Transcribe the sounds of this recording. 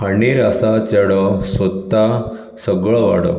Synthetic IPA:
aɳiɾasat͡ɕəɽɔsɔt̪ːa | səɡɭɔʋaɽɔ̰

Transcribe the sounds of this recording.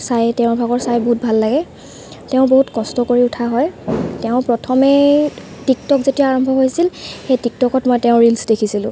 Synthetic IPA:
sajtɛʊ̃bʱaɡɔɹsajboɦut̚bʱalːaɡɛ | tɛʊ̃boɦutkɔstɔkoɹiʊtʰaɦɔjtɛʊ̃pɹɔtʰɔmɛ | tik̚tɔkzetijaːɹɔmbʱɔɦojsilxejtik̚tɔkɔtmɔjtɛʊ̃ɹilsdekʰisilʊ̰̃

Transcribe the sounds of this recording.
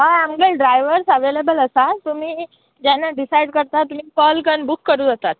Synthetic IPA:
ɦaamɡəlɖɾajʋəɾsəʋelebələsat̪um̤iː | d͡ʑanːaɖisajɽkəɾt̪at̪ːum̤iːkɔlkəɳbukːəɾuːd͡zat̪at̪̚

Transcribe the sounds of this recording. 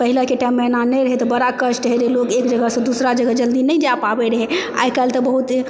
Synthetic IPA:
pəɦilakeʈajmːenanɛɾəɦet̪ɔbəɽakəʃʈɦed͡ʒelokekd͡ʒəɡəsə̃d̪usɾad͡ʒəɡəd͡ʒəld̪inɛjd͡ʒapabeɾəɦea̰jkalt̪əbəɦut̪

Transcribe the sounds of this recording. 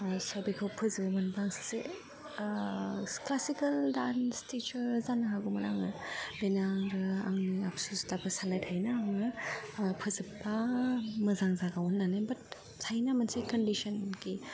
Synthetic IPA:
sɔbikʰawpʰɯzɯbmanbaŋsse | klasikɐldanstit͡ʃɐɾzanɐɦaɡumɐɾa̰ŋɯb̥enaŋɾɯa̰ŋniapsustabʰɯsanajtʰajnaːŋɯpʰɯzɯpːamɯzaŋzaɡawɔnːanabɐt | tʰajnamɐnsekɐndisɔnɡi

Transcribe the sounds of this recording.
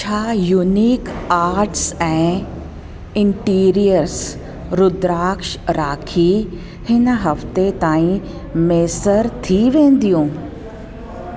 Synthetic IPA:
t͡ʃʰaːjuniːkaːɾʈsɛ̃ː | ɪ̃ɳʈiːɾijəɾs | ɾʊd̪ɾaːkʃɾaːkʰi | hɪnɦɐft̪et̪aːĩ | meːsəɾt̪ʰiʋẽːnd̪ijũː

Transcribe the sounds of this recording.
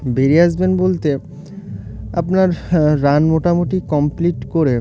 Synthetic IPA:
beɾeaʃbenbolt̪e | apnaɾːanmoʈamoʈikɔmpliʈkoɾe

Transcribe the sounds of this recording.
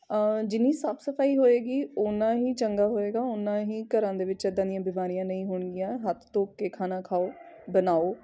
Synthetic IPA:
d͡ʒɪnĩːsəbsəpʰaːiːɦoːeːɡiːonãːɦiːt͡ʃəŋɡaːɦoːeːɡaːʊnãːɦiːkəɾãːd̪eːʋɪt͡ʃɛd̪ãːd̪ɪjãːbɪmaːɾijãːnəĩɦʊːɳɡɪjãːɦət̪ʰt̪õːkeːkʰaːnãːkʰaːoː | bənaːoː

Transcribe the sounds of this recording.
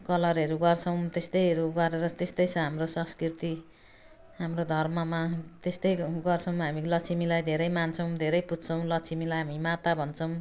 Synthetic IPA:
kʌlʌɾɦʌɾuɡʌrt͡sʰʌw̃t̪est̪ʌjɦʌɾuɡʌɾeɾʌt̪est̪ʌjsʌ̃ɦamrosʌ̃skrit̪i | ɦamɾod̪ʱʌrmʌmat̪est̪ʌjɡʌrt͡sʰʌw̃maɦamilʌt͡sʰimilajd̪ʱeɾʌjmant͡sʰʌw̃d̪ʱeɾʌjput̪t͡sʰʌw̃lʌt͡sʰimilajɦamimat̪abʱʌnt͡sʰʌw̃

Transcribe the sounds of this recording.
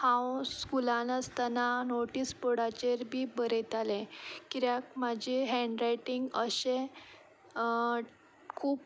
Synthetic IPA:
hãwskulãnət͡st̪ananoʈiːspəɽat͡ɕeɾbʱiːbəɾet̪alẽkiɾjak̚mad͡ʑʱeɦɛ̃ɳɖɾajʈiŋɡəɕẽ | kʰuːp

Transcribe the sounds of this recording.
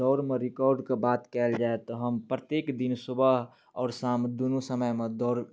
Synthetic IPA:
ɔːɾmẽɾɪkɔːɾɖkebaːt̪kɛːld͡ʒaːet̪ɔɦəmpɾət̪jeːkd̪insʊbəɦ | ɔːɾsaːmd̪onusəməjmẽd̪ɔːɾ

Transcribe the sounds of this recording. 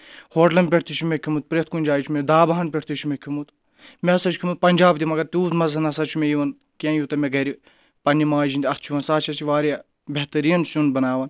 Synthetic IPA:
hoːʈlɐnpʲeʈt̪it͡ʃʰumekʲʰimut̪̚pɾet̪̚kunʲd͡ʒaːit͡ʃʰumed̪aːbaɦɐnpʲeʈʰt̪it͡ʃʰumekʰʲimut̪ | meɐsɐt͡ʃʰkʰimut̪̚pɐnʲd͡ʒaːbt̪imɐɡɐt̪ʲuːt̪mɐzɐnɐsɐt͡ʃʰumejiʋɐn | kiãːjut̪ɐmeɡɐɾi | pɐnʲːimaːd͡ʒind̪ʲɐst͡ʃʰuʋɐnsaːt͡ʃʰɐt͡ʃʰiʋaːɾja | bʲeht̪ɐɾiːɐnsunbɐnaːʋɐn

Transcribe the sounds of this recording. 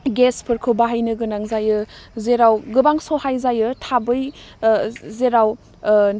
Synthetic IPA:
ɡespʰɯɾkʰɯbaɦajnɯɡɯnaŋzajɯzeɾawɡɯbaŋsɔhajzajɯtʰabɯj | zeɾaw

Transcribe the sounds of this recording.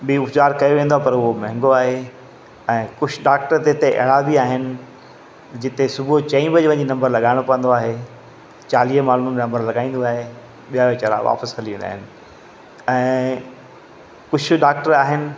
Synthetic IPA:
ɓiʊpzaːɾkɐjoʋẽːn̆d̪oaepɐɾʊɦomɛ̃ɦɪ̃ŋɡoaːɦe | ɛ̃ːkʊt͡ɕʰɖaːk̚ʈəɾt̪et̪eʔɐ̰ɭabiaːɦɪnɪ̆ | d͡ʑɪt̪esʊbʱot͡ɕɐ̃ĩbɐd͡ʑʋɐ̃d͡ʑinɐ̃mbəɾlɐɠaːɪɽ̃opɐ̃ə̃n̆d̪oaːɦe | t͡ɕaːliːɦəmaːlumnnɐ̃mbəɾlɐɠaːĩːn̆d̪oaːɦe | ɓijaʋet͡ɕɐɾa̰ʋa̰ːpəsɦɐliʋẽːnd̪a̰ːɦɪnɪ̆ | ɛ̃ː | kʊt͡ɕʰɗaːk̚ʈəɾaːɦɪnɪ̆

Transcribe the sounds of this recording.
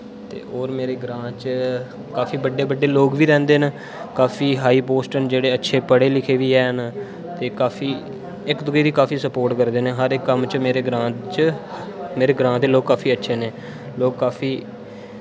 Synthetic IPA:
t̪ḛːoːɾmeːɾeːɡɾãːt͡ʃ | kaːfiːbəɖːeːbəɖːeːloːɡʋiːɾɛ̃ːnd̪eːn | kaːfʰiːɦaːiːpoːsʈənd͡ʒeːɽeːətːʃʰeːpəɽeːlɪkʰeːʋiːɛːn | t̪eːkaːfʰiː | ɪkd̪ʊɡiːd̪iːkaːfiːsəpoːɾʈkəɾd̪eːneɦəɾɪkːəmt͡ʃmeːɾeːɡɾãːt͡ʃ | meːɾeːɡɾãːd̪eːloːɡ̚kːaːfʰiːətːʃʰeːneː | loːɡ̚kaːfʰiː

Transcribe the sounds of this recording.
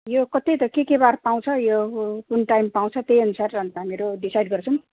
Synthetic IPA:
jokʌt̪et̪ʌkekebarpaw̃t͡sʰʌjokunʈajmpaw̃t͡sʰʌt̪ejʌnusarʌnt̪ʌɦamiiɾoɖisajɖɡʌrt͡sʰʌw̃

